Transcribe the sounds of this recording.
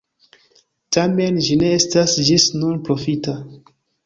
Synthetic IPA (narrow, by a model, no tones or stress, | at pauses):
tame̞nʒine̞estasd͡ʒisnunpɾo̞fita